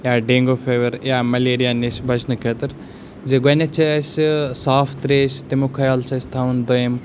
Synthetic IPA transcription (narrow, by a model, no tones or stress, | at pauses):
jaːɖeːŋɡoːfeːʋɐɾjaːmɐleːɾijaːnesbʱɐt͡ʃʰnɨkʰeːt̪ɨɾ | d͡zeɡɐnʲɐt͡ʃʰɐɐsʲsaːfʰt̪ɾeːst̪imukʰɐjalt͡ʃʰɐsʲt̪ʰaʋund̪ojɐm